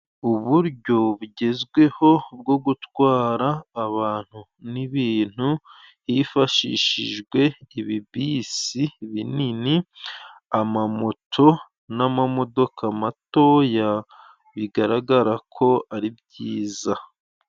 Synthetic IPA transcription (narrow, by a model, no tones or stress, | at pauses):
uβuɾɟo̞βuɟe̞zɡwe̞ho̞b̚ɡo̞ɡutwaːɾaːβaːn̥hu | niβiːn̥hu | jifaʃiʃiʒɡwe̞iβibisiβinini | amamo̞tʰo̞ | namamo̞do̞kʰamato̞ːja | βiɡaɾaɡaɾakʰo̞aɾibɟiːza